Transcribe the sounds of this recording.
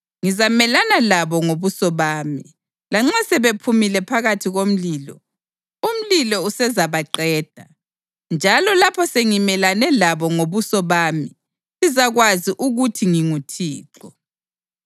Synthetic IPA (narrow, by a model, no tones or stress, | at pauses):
ŋizamɛlanalaβɔŋoβusɔβaːmi | laŋ͡ǁasɛβepʰumilɛpʰaɣatʰiɣom̩liːlɔ̰ | um̩lilɔusɛzaβaǃɛːd̥ʱa | nd͡ʒʱalɔlapʰɔseŋimɛlanɛlaβɔŋoβusɔβaːmi | lizaɣwaziʔuɣutʰiŋiŋutʰiːǁɔ